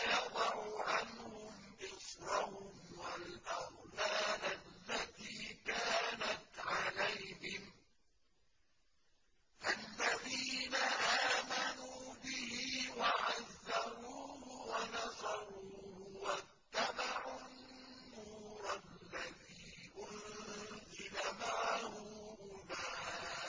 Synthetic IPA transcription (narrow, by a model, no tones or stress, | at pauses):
jɑd̪ˤɑʕuʕanhʊmʔɪsɾɑhʊmwalʔɑhlaːlalːat̪iːkaːnat̪ʕalajhɪm | ʔalːaðiːnaʔaːmanuːbɪhiːwaʕazːaɾuːhʊwanɑsˤɑɾuːhʊwa | t̪ːabaʕunː | uːɾˤallːaðiːʔʊnzɪlamaʕhʊhʊnaː